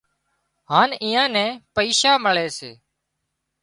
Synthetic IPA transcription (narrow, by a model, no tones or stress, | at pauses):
ɦaːniːãːnɛ̃ːpəiːʃaːməɭeːsḛː